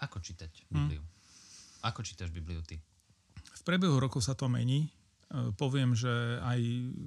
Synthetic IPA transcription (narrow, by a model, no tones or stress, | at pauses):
akɔt͡ʃiːt̪acbiblḭu | akɔt͡ʃiːt̪aʒbibliut̪i | fpɾɪɛbɛɦuɾɔkɔʊsat̪ɔmɛ̰ɲiː | pɔʋɪɛmʒɛaj